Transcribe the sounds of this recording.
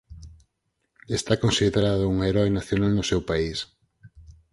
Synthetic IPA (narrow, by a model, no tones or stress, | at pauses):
est̪akonsiðeɾaðʊuŋaeɾɔjnaθjonalnʊsewpais